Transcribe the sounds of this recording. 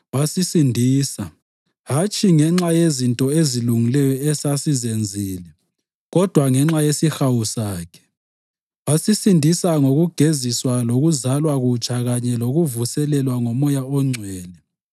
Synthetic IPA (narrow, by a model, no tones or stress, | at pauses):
wasisindʱiːsa | ɦat͡ʃʰʼiŋɛŋ͡ǁajezintʼɔeziluŋilɛjɔɛsasizend͡zʱiːlɛ | ɣɔd̥ʱwaŋɛŋ͡ǁajesixawusaːkʰɛ̥ | wasisindʱisaŋoɣuɡ̥ʱeziswaloɣuzalwaɣut͡ʃʰʼaɣaɲɛloɣuvusɛlɛlwaŋɔmɔjaɔŋ͡ǀʱwɛːlɛ